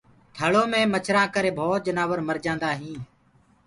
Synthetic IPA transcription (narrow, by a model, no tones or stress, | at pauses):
t̪ʰəɭoːmẽːmət͡ʃʰɾãːkəɾeːbʱoːt̪̚d͡ʒənaːʋəɾməɾd͡ʒãːnd̪aːɦĩː